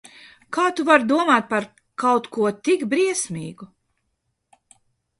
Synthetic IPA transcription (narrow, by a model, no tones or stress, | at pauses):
kaːt̪uvaɾd̪uɔmaːt̪̚paɾ | kawt̪kuɔt̪ikbɾiɛsmʲiːɡu